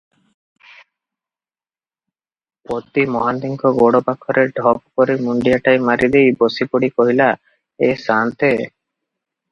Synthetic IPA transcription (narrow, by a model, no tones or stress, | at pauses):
pot̪imɔɦand̪iŋkʰɔɡoɽɔpakʰɔɾeɖʱɔbkɔɾimuɳɖijaʈajmaɾid̪ejbosipɔɽikɔɦila | esant̪e